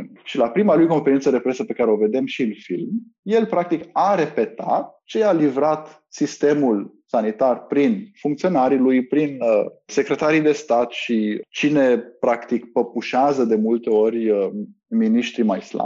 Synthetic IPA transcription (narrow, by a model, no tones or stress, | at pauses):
ʃilapɾimalujko̞nfe̞ɾint̪səd̪e̞pɾe̞səpe̞kaɾeo̞ve̞d̪e̞mʃiɨnfḭlm | je̞lpɾak̚t̪ikaɾe̞pe̞t̪a̰t̪̚t͡ʃealivɾat̪ | sist̪e̞mulsanit̪arpɾinfuŋkt̪sio̞naɾilujpɾinəse̞kɾe̞t̪aɾijd̪e̞st̪at̪ʃit͡ʃine̞pɾakt̪ikpəpuʃazəd̪e̞mult̪e̞orʲ | miniʃt̪ɾimajsla̰